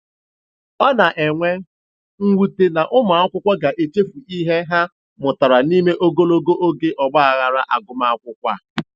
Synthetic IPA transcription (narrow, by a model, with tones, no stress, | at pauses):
ɔ˦na˨ʔe˨ŋʷe˦ | ŋ̩˦wu˦te˨na˨ʔʊ˦m˨˦a˦kʷʊ˦kʷa˦ɡa˨ʔe˨t͡ʃe˦fu˨i˦ɦe˦ɦa˦ | mʊ˨ta˨ɾa˨ni˦me˦ʔo˦ɡo˦lo˦ɡo˦ʔo˦ɡe˦ʔɔ˨ɡ͡ba˦a˨ɣa˨ɾa˦ʔa˨ɡʊ˦ma˦a˦kʷʊ˦kʷa̰˦